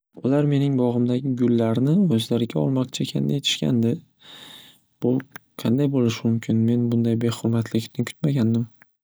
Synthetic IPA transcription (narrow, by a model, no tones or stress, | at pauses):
ʊlaɾme̞nɪŋbɒʁɨmd̪aɡʲɪɡʊlːaɾnɪɵzlaɾɪɡʲaɒlˠmɒqt͡ʃʰakʲʰand̪ajet̪ʰɪ̥ʃkʲa̰nd̪ɪ | b̥ʊqʰɑ̰nd̪ajbolɪʃɪmʊmkʲʰɪnme̞nbʊnd̪ajbe̞hʊɾmat̪ʰlɪkʲt̪ɪnkʰʊ̥t̪maɡʲand̪ɪm